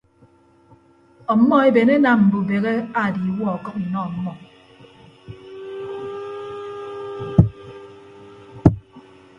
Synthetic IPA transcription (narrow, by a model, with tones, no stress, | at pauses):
ɔ˨m̩˦mːɔ˦e˦be˨ne˦na˦mm̩˨bu˨be˨ɣe˦a˦˨di˨wɔ˦˨ɔ˨kɔ˦k̚n̩˨nɔ˦˨m̩˦mɔ˨